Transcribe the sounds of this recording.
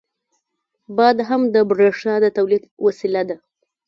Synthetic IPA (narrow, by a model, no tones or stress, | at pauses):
bɑd̪ɦamd̪əbɾeʂɑd̪ət̪awlid̪wasilad̪a